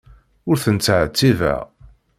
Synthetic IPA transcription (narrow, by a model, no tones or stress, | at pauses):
ʊɾθənt͡sːʕt͡sːivæ̰